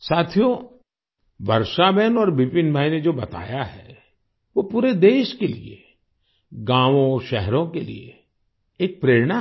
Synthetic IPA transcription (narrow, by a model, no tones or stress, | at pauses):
saːt̪ʰijo | ʋɐɾʃabɛːnɔːɾbɪpɪnbʱaːined͡ʒoːbɐt̪a̰ːjaɦɛ̰ː | ʋopuːɾed̪eːʃkelḭḛ | ɡãːʋõʃɛɦɾõkelḭḛː | k̚pɾeːɾɽ̃a